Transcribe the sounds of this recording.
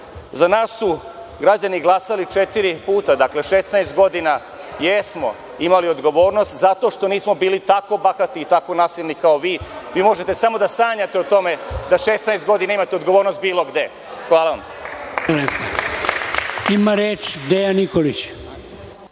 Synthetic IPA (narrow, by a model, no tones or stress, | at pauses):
zanaːsu | ɡɾad͡ʑaniɡlˠasalit͡ʃet̪iɾipuːt̪ad̪akle̞ʃesnajst̪̚ɡo̞d̪ina | jesmo̞̰ | imalio̞d̪ɡo̞ʋo̞ːɾno̞st̪zat̪o̞ʃt̪o̞niːsmo̞biːlit̪ako̞baxat̪iːt̪ako̞naːsilʲnikaoʋiːʋiːmo̞ʒet̪e̞samo̞d̪asaːɲat̪e̞ot̪o̞me̞d̪aʃesnajst̪ɡo̞d̪inaimat̪eo̞d̪ɡo̞ʋoːɾno̞st̪̚biːlˠo̞ɡd̪e̞ | xʋaːlaʋam | lepo | imaɾeːt͡ʃd̪ejanikolit͡ɕ